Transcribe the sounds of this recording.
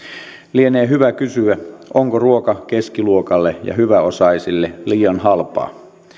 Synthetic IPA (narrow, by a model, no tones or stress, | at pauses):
lieneːɦyʋækysyæoŋkoruokɑke̞skiluokɑlːejɑ̰hyʋæo̞sɑisilːeliːɑnɦɑlpɑ̰ː